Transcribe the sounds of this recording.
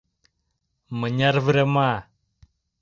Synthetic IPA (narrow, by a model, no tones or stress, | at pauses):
məɲarvəɾema